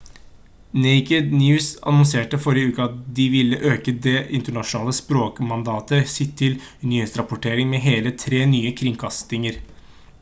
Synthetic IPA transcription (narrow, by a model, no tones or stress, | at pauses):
nɛɪkəd̪njʉːsɑ̰nɔnseːʈəfɔɾɪəʉːkəɑt̪̚d̪ɪʋɪlːəʔøːkəd̪ɛʔɪnt̪əɳɑʂʊnɑːləspɾoːkmɑnd̪ɑːt̪əsɪt̪ʰːɪlʉnɪheːt̪sɾɑpʊʈʰeːɾɪŋmɛɦeːlət̪ʰɾeːnyːəkʰɾɪŋkʰɑst̪ɪŋəɾ